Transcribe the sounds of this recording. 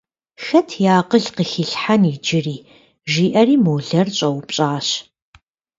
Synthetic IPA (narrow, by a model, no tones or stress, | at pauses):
xɐtʰjaːqəɮqəxiːɬħanid͡ʒɪriː | ʒiːʔɐriːmoːɮɐrɕʼɐwpɕʼaːɕ